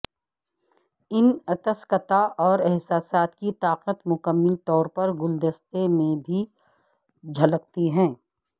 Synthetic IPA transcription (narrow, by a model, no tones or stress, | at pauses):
ɪnɐt̪əskət̪aʔɔːɾɛɦsaːsaːt̪kit̪aːqət̪mʊkəmːəlt̪ɔːɾpɐɾɡʊld̪əst̪emẽbʱi | d͡ʒʱɐlək̚t̪iɦɛ̃ː